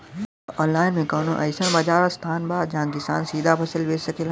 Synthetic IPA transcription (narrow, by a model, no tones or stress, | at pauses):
ɔːnlaːɪnmẽkɐːnõ̰ʔɐɪsəñbad͡ʒaːɾast̪ʰaːnbaːd̪d͡ʒããkɪsa̰ːnsiːd̪ʱapʰɐsəlʋeːsɐkel